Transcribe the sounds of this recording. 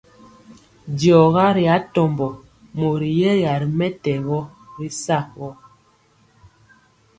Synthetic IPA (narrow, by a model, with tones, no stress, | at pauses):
djɔ˨ɣa˦ɾi˨a˨˦tɔ˨mbɔ˨ | mo˨ɾi˨jɛ˦ɣa˨ɾi˨mɛ˦tɛ˨ɣɔ˦ɾi˦sa˦˨wɔ˦